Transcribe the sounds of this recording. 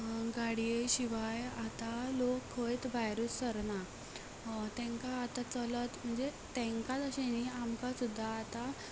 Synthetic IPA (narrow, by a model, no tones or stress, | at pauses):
ɡaɽijeɕiʋajat̪alokʰɦəjt̪bajɾusəɾna | t̪ɛ̃ŋkaːt̪at͡sələt̪m̤əɳd͡zet̪ɛ̃ŋkat̪əɕeniamkasud̪ʱːaːt̪a